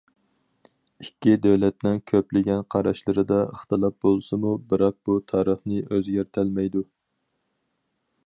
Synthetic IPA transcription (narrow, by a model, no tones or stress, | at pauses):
ikʲːid̪øwlɛt̪nɪŋkʲʰøplɪɡʲɛnqʰɑɾɑʃlˠəɾɨd̪ɑəχt̪ɨlˠɑp̚bolˠsɨmubɨɾɑq̚b̥ut̪ʰɑːɾəχnɨʔøzɡʲæɾt̪ʰælmɛjd̪u